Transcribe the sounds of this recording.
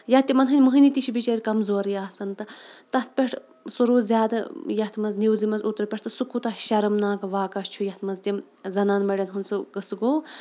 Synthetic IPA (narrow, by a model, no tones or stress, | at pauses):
jɐht̪ːimɐnɦɨnʲmɨɦɨnit̪iʃʰibit͡ʃɐɾʲkɐmzoːɾijaːsɐnt̪ɨt̪ɐt̪̚ʰpʲeʈʰ | suɾuːzʲaːd̪ɨjɐt̪ʰmɐznʲiwzimɐzut̪ɾpʲeʈ̚ʰt̪ɨsukːut̪ɐʃɐɾɐmnaːkɐʋaːkɐst͡ʃʰujɐht̪ʰmɐnzt̪ʲim | zɐnaːnmɐɖʲɐnɦunsɨɡɨsɨɡoː